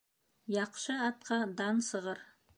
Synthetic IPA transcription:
jɑqʃɤɑt̪̚qɑd̪ɑnsɤ̆ʁɤɾ

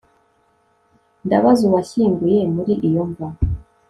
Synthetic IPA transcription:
ndaβazuβaɕiːmɡujemuɾiʔijoɱva

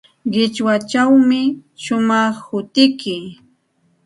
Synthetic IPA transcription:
ɢɪt͡ʃwat͡ʃawmɪʃʊmɑχhʊt̪ɪkɪ

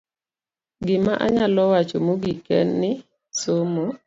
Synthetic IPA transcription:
ɡɪmaʔaɲalɔwat͡ʃomoɡikɛnːɪ | somo

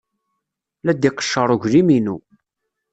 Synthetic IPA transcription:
læd̪iqə̥ʃːəɾˤʊʝliminu

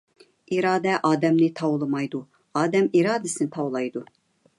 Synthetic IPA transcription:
iɾɑːd̪ɛʔɑːd̪ɛmnɪt̪ʰɑwlˠɨmɑjd̪u | ɑːd̪ɛmiɾɑːd̪ɪsɨnɪt̪ʰɑwlˠɑjd̪u

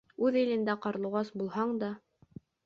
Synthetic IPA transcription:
ʉðɘ̆lɘ̆nd̪æqɑɾ̆lˠɤ̆ʁɑsbulˠhɑɴd̪ɑ

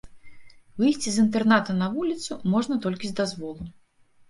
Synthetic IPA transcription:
vɨjsʲt͡sʲizɨnt̪ɛrnat̪ɐnɐvulʲit̪sumɔʐnɐt̪ɔlʲkʲizʲd̪azvɔlˠu

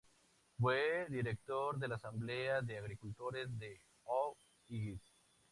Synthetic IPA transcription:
fweðiɾek̚t̪oɾðelasambleaðeaɣɾikult̪oɾezðe | o | iɣis

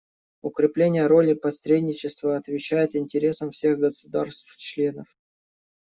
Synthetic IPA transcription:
ʊkɾʲɪplʲenʲɪjəɾo̞lʲɪpɐsɾʲedʲnʲɪt͡ɕɪst̪vəɐt̪vʲɪt͡ɕæjɪt̪ɪnʲtʲɪɾʲe̞səmfsʲe̞ɣɡəsʊd̪a̰rst̪ft͡ɕlʲe̞nəf

